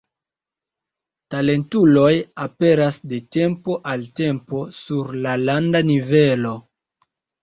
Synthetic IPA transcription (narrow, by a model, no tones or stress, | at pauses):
tale̞ntulo̞jape̞ɾasde̞te̞mpo̞ʔalte̞mpo̞suɾlalandanive̞lo̞